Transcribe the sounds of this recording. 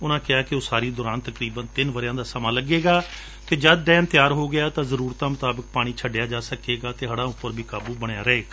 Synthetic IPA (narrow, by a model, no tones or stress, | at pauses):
ʊnãːkɪaːkɪoːsaːɾiːd̪ɔːɾaːnt̪əkɾiːbənt̪ɪnʋəɾɪjãːd̪aːsəmãːləɡeːɡaː | t̪eːd͡ʒəd̪̚ɖɛːnt̪ɪjaːɾɦoːɡɪjaːt̪ãːzəɾuːɾt̪ãːmʊt̪aːbək̚paːɽ̃iːt͡ʃʰəɖɪjaːd͡ʒaːsəkeːɡaːt̪eːɦəɽãːʊpːəɾbʱiːkaːbuːbəɽ̃jaːɾɛeː